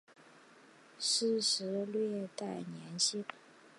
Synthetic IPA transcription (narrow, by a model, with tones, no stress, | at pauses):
ʂ̩˥˩ʂɻ̩˧˥lɥɛ˥˧t̪a˥˩ɪnjɛ˧˥nɕi˥n